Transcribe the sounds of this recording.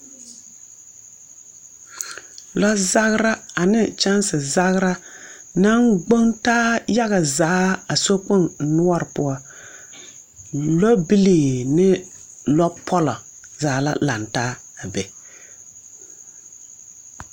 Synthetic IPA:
lɔ˦za˦ɣɾa˦a˨nɪ˦t͡ʃa˦nsɨ˨za˦ɣɾa˦na˦ŋɡ͡bo˦ŋtaː˦ja˦ɣa˨zaː˨˦a˨so˦k͡pʊ˦n˨nʊ˦ɔ˦ɾɨ˨pʊ˦ɔ˦ | lɔ˦bi˦liː˨nɪ˦ | lɔ˦pʰɔ˦lɔ˨ | zaː˨˦la̰˦la˨ntaː˦ | a˨bɛ˨

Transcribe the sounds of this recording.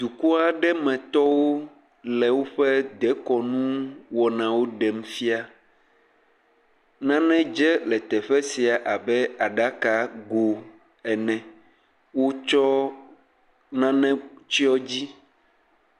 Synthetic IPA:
d̪u˨ku˦a˨ɖɛ˦mɛ̃˨t̪ɔ˦wo˦ | lɛ˨wo˦ɸɛ˦d̪ɛ˨˦kɔ˨nũ˦wɔ˨nã˨wo˦ɖɛ˨m˦fi˦a˦ | nã˦nɛ̃˦d͡ʒɛ˦lɛ˨t̪ɛ˨ɸɛ˦si˨a˨ʔa˨bɛ˦a˨ɖa˦ka˨ɡo˨ | ɛ˨nɛ̃˨ | wo˦t͡ʃɔ˦ | nã˦nɛ̃˦t͡ɕi˦ɔ˦d͡ʑi˦

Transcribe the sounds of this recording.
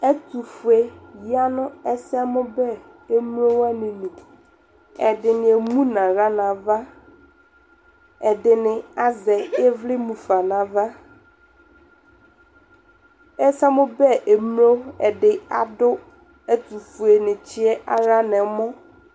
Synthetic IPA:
ɛ˦t̪u˨fu˨e˨ji˦a˦nʊ̃˦ɛ˦sɛ˦mʊ̃˦bɛ˦ | e˦mũ˦o˦wɛ˦nɪ̃˨nũ˨ | ɛ˨ɖɪ˨nɪ̃˨e˨mũ˦nã˨ɾa˦nã˨va˦ | ɛ˨ɖɪ˨nɪ̃˨a˦zɛ˨ɛ˦vlɪ˦mũ˨fa˨nã˨va˦ | ɛ˦sɛ˦mʊ̃˦bɛ˦ʔe˨m˦o˦ɛ˨ɖɪ˨a˨ɖʊ˦ | ɛ˦t̪u˨fu˨e˨nɪ̃˨t͡ɕi˦ɛ˦ʔa˦ɾa˦nɛ̃˨mɔ̃˦

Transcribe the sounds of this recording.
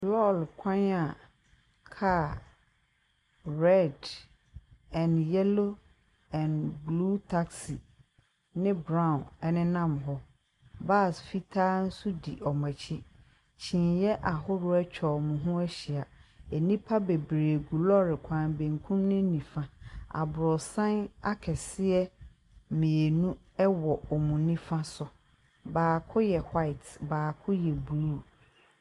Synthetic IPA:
lɔ˦lkʷʰã˦na˨ | kʰaː˦˨ | ɹɛ˦˨d | ɛ̃˨njɛ˦lo˦ | ɛ̃˨nbluː˦tʰa˦ksi˨ | nɪ̃˦bɾã˦˨nɛ˦nɪ̃˦nã˦˨mɦɔ˦ | ba˦˨sfi˦tʰaː˦n̩˦su˦di˨ʔɔ˨mã˨t͡ɕʰi˦ | t͡ɕʰĩ˨njɛ˦ʔa˨ɦʊ˦ɾʊ˦ɛ˦t͡ɕᶣʰɔ˨mʊ̃˨ɦʊ̃˦æ˦ɕi˨a˨ɛ˨nĩ˦pʰa˦be˨bɾeː˨ɡu˨lɔ˦ɾɪ˨kʷʰã˨nbẽ˨ŋkʰũ˦mnɪ̃˦nĩ˨fã˦a̰˨bɾɔ˨sã˦na˦kʰɛ˨sɪ˦ɛ˦ | mĩ˨e˨nũ˦ | ɛ˦wɔ˨ɔ˨mũ˨nĩ˦fã˦sʊ˨ | baː˨kʰʊ˦jɛ˨hwa˦ɪ˨tʰbaː˨kʰʊ˦jɛ˨bu˨u˦˨

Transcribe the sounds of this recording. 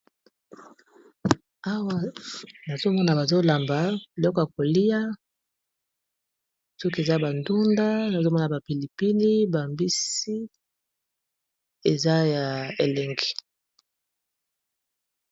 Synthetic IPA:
a˦wa˦na˨zo˦mɔ˦na˨ba˨zo˦la˨mba˨bi˨lɔ˦kɔ˨ja˨ko˨li˦ja˦ | sɔ˦ki˦e˨za˦˨ba˨ndu˦nda˦na˨zo˦mɔ˦na˨ba˨pi˨li˨pi˦li˦ba˨mbi˦si˦ | e˨za˦ja˨e˨lɛ˨ŋɡi̥˨

